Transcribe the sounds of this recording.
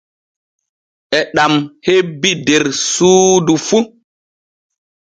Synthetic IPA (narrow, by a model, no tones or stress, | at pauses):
ʔɛɗamhebideɾsuːdufu